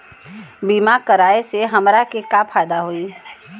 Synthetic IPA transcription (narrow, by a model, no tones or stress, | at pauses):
biːmakəɾaːeseɦɐmɾakekapʰaːjd̪aɦoːiː